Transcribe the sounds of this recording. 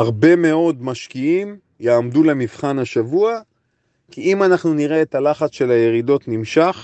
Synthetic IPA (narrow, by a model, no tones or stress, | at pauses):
aʁbe̞me̞o̞dmaʃkiim | jaːmdulemivχanaʃavua | kiimanaχnuniʁeːtalaχat͡sʃe̞laje̞ʁido̞tnimʃaχ